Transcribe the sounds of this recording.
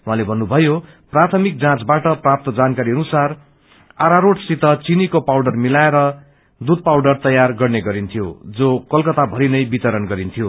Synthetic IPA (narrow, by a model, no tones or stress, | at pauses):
wɦãlebʱʌnːubʱʌjo | prat̪ʰʌmik̚d͡zãt͡sbaʈʌprap̚t̪ʌd͡zankaɾiʌnusar | aɾaɾoʈsit̪ʌt͡sinikopawɽʌrmilaeɾʌ | d̪ud̪̚pawɖʌrt̪ʌjarɡʌrneɡʌɾint̪ʰjo̰d͡zokʌlkʌt̪abʱʌɾinʌjbit̪ʌɾʌnɡʌɾint̪ʰijo